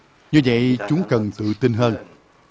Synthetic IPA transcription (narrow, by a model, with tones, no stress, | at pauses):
ɲɨ˧və̰˧˨jt͡ɕʊ˨˦ŋ͡mkə˨˩nt̪ɨ̰˧˨t̪i˧nɦəː˧n